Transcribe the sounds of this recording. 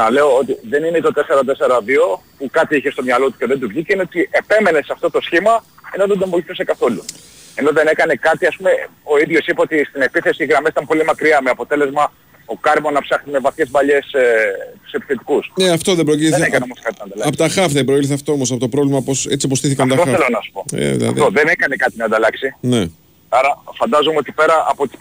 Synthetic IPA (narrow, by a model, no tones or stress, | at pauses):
nɐle̞o̞ot̪iðe̞ninet̪ot̪e̞se̞ɾɐt̪̬e̞se̞ɾɐðio̞pukɐt̪iiçe̞st̪o̞mɲɐlo̞t̪u̥ceðend̪uvʝiceineot̪iepe̞me̞ne̞sɐft̪o̞t̪o̞sçimɐe̞no̞ðed̪emboliθusekɐθo̞lu | e̞no̞ðe̞ne̞kɐne̞kɐt̪iɐspume̞o̞iðʝo̞sipɐo̞t̪ist̪ine̞piθe̞siɣɾɐmesit̪ɐmpo̞limɐkɾiɐmeɐpo̞t̪e̞le̞zmɐ | o̞kɐɾmonɐpsɐxt̪ime̞vɐθçe̞zbɐʎe̞set̪u̥se̞pi̥θe̞t̪i̥kusneɐft̪o̞ðebɾociðekɐnneomoskɐt̪inɐnd̪ɐlɐɐpot̪ɐxɐfðebɾo̞ilθɐft̪oomos̬ɐpo̞t̪o̞pɾo̞vlimɐpo̞se̞t͡siopo̞st̪iθikɐnft̪ɐt̪oelɐnɐsu̥poḛðḭlɐ̰ðoðenekɐnekɐt̪inɐnd̪ɐlɐksine | ɐɾɐfɐnd̪ɐzomeo̞t̪i̥pe̞ɾɐʔɐpot̪is